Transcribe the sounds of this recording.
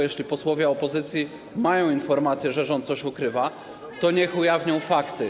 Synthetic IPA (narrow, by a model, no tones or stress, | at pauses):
jɛɕlʲipɔswɔvʲjɛɔpɔzɘt̪sʲji | majɔ̃w̃infɔɾmat̪sʲjɛʐɛʐɔnt̪sɔɕukɾɘva | t̪ɔɲɛxujavʲɲɔ̃w̃fakt̪ɘ